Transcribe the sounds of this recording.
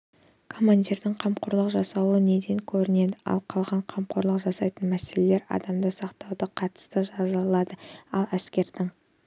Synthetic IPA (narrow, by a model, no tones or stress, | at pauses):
kʰo̞mːand̪ʲiɾd̪ɪŋqʰɑmqoɾlˠəqʒɑsɑwəne̞d̪e̞ŋkʲʰɵɾɪne̞d̪ɪɑ̰lˠqʰɑlˠʁɑɴqʰɑmqoɾlˠəqʒɑsɑjt̪ənmæse̞le̞le̞ɾɑ̰d̪ɑmd̪əsɑqt̪ɑwd̪əqʰɑt̪ə̥st̪əʒɑzəlˠɑd̪əɑlˠæskʲe̞ɾd̪̥ɪŋ